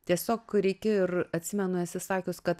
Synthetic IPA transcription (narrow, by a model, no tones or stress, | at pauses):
t̪ʲiɛsʲoːkɾʲɛɪkʲɪɪrɐt̪ʲsʲɪmʲɛnʊɛsʲɪsɑːkʲʊskɐt̪